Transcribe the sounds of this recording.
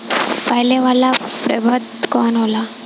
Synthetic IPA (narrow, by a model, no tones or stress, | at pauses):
pəɦleʋalapɾə̰bʱəd̪kɔnɦola